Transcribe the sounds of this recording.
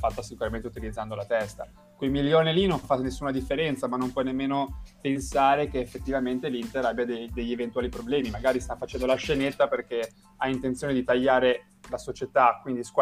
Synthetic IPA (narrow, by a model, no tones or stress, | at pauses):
fat̪ːasikuɾament̪eut̪ilid̪zːand̪olat̪ɛst̪a̰ | kwejmiljoːnelinoɱfanesːuːnad̪ifːeɾɛnt̪samanːompwɔnemːeːnopensaːɾekeːfːet̪ːivament̪elint̪eɾabjad̪ed̪eʎːevent̪waːlipɾoblɛːmimaɡaːɾist̪afat͡ʃɛnd̪olaʃenet̪ːaperke | aint̪ent̪sjoːned̪it̪aʎːaːɾe | lasot͡ʃet̪akwind̪iskwa